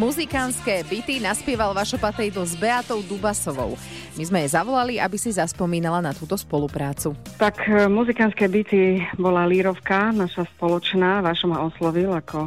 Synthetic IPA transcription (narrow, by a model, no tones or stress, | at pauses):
muzikanskɛːbit̪inaspɪɛʋalʋaːʃɔpat̪ɛjit̪lɔzbɛat̪ɔʊd̪ubasɔʋɔ̰ʊ | mizmɛjɛzaʋɔlaliʔabisizaspɔmiːnalanat̪uːt̪ɔspɔlupɾaːt͡sut̪akmuzikanskɛːbit̪ibɔlaliɾɔfkanaʃaspɔlɔt͡ʃnaːʋaʃɔmɦaɔslɔʋilakʰɔ